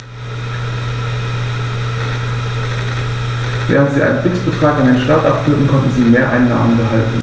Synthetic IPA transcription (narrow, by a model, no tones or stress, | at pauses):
vɛ̰ːʁ̞əntz̥iːʔa̰ɪnənvɪksb̥ətʁ̥aːkandeːnʃtaːtʔapfʏltn̩kʰɔntn̩ziːmeːɐʔaɪnːa̰ːmənbəɦaltn̩